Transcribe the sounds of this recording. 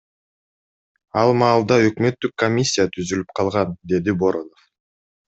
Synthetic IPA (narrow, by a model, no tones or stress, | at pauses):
ɑlˠmɑːlˠd̪ɑø̞kmø̞t̪ːykːomʲisʲːijat̪ʰyzylyp̚qʰɑlˠʁɑnd̪e̞d̪iboɾonof